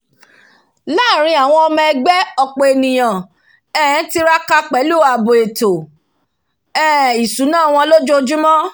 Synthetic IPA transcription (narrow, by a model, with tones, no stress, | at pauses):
laː˦˨ɾ̃ĩ˧a˨w̃ɔ̃˧ɔ˧mɛ̃˧ɛ˧ɡ͡bɛ˦ɔ˧k͡pe˨e˨nĩ˨j̃ã˨ | ɛ̃˦˨˦ti˧ɾa˦ka˧k͡pɛ˨˦lu˦˨a˨bo˨e˨to˨ | ɛ˦˨i˨su˨˦nã˦˨w̃ɔ̃˧lo˦d͡ʒo˦d͡ʒu˦mɔ̃˦